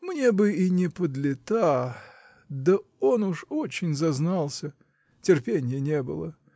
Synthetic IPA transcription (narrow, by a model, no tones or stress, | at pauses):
mnʲebɨinʲɪpəd̪lʲɪt̪a | d̪əo̞nuʂot͡ɕɪnʲzɐznɑlˠsʲə | tʲɪrpʲenʲɪjənʲebɨ̰lˠə